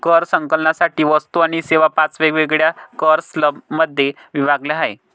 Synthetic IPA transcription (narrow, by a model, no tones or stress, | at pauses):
kəɾsəŋkəlnasaʈiːʋəst̪uaɽ̃iseʋapat͡sʋeɡʋeɡɭjakəɾsləbməd̪ʱːje | ʋiʋaɡlaɦaj